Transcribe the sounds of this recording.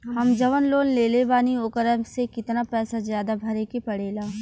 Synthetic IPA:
ɦɐmd͡ʒɐʋənloːnleːleʋaːnioːkəɾəmsekɪt̪napɛːsazjaːd̪abʱɐɾekepɐɽeːlaː

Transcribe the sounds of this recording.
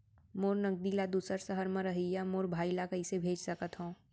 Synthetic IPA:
moːɾnəɡ̚d̪ilad̪uːsəɾsəɦəɾmẽɾɐɦijamoːɾbʱaːilakɐisebʱeːd͡ʒsɐkət̪ɦõː

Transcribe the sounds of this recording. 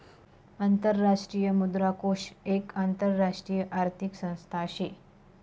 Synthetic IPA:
ant̪əɾːaʂʈɾijəmud̪ɾakoʂekant̪əɾːaʂʈɾijəʔaɾt̪ʰiksə̃w̃st̪ʰaəɕe

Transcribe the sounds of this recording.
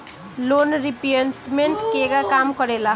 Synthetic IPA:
lonɾipienʈmeɳʈkeɡakamkʌɾela

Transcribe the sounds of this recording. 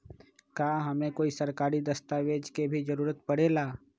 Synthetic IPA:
kaːɦɐmẽkoːisɐɾkaːɾid̪ɐst̪aʋeːd͡ʒkebʱid͡ʒɐɾuːɾət̪pɐɽ̤eːlaː

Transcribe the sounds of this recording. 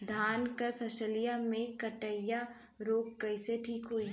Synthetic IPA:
d̪ʱaːnkəɾpʰəsəlijamẽkəʈəɪja | ɾoːkːɐiseʈʰiːkɦoi

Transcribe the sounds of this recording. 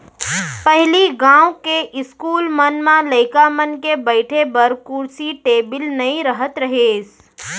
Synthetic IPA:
pɐɦɪliɡãːwkeʔɪskuːlmənmãləɪkamənkebəɪʈʰebɐɾkʊɾsiʈeːbɪlnɐĩɾəɦət̪ɾɐɦeːs

